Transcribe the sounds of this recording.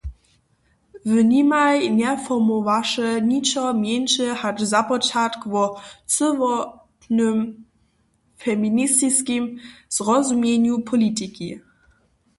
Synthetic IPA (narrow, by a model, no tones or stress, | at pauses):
vənimajnɛfɔmɔvaʂɛɲit͡ʃɔmjɛnʃəhat͡ʃzapɔt͡ʃat̪kvɔt͡səvɔtnəm | fɛminist̪iskimz̥ʁɔzumjɛɲupʰɔlitiki